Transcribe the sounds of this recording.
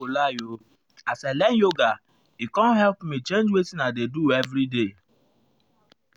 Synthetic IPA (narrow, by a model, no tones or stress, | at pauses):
olajo | asɛlɛnjoɡa | ikɔ̃nɦɛlpmit͡ʃẽnd͡ʒwetinadeduevɾide